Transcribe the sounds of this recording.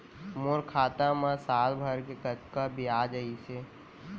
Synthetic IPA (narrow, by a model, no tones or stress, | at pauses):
moɾkʰaːt̪ãmãsaːlbʱəɾkekət͡ʃkabʱiaːd͡ʒəise